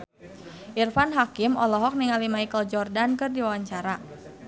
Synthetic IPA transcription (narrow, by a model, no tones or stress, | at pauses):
ʔirfanɦakimɔlɔɦɔk̚niŋalimaikəld͡ʒɔrdankɨrdiwawaɲt͡ʃaɾa